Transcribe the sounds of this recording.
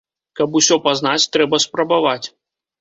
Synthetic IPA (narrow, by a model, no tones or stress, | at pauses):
kɐpusʲɔpaznat͡sʲt̪ɾɛbɐspɾɐbavat͡sʲ